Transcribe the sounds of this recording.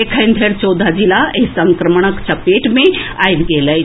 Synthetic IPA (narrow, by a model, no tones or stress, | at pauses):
ekʰəjnd̪ʱeɾt͡ʃɔwd̪ʱad͡ʑilaesəŋkɾəmɳ̃əkt͡ɕapeʈmẽajt̪ɡeːləj